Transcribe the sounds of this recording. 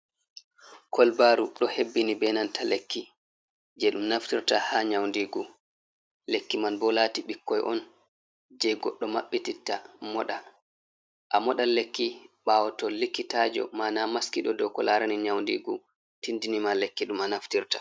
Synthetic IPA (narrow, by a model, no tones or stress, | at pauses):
kʰɔlbaɾuɗɔhebːinibɛnantʰalekʰːi | d͡ʒɛɗumnaftiɾtahaɲawndiɡu | lekːimanbɔlaːtiɓikːɔjʔɔn | d͡ʒɛɡɔɗːɔmaɓːititːa̰mɔɗa | ʔamɔɗalekːiɓaːwɔtɔlikːitad͡ʒɔ̰manamaskiɗɔdɔkɔlaɾaniɲawndḭɡu | tindinimalekːiɗumanaftiɾtḁ